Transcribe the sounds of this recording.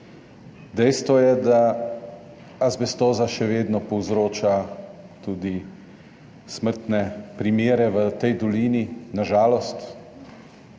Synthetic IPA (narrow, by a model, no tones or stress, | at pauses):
d̪ɛjst̪ʋɔjɛd̪a | azbɛst̪oːzaʃɛʋeːd̪nɔpɔwzɾoːt͡ʃa | t̪uːd̪i | sməɾt̪nɛpɾimeːɾɛʋət̪ɛjd̪ɔliːninaʒaːlɔst̪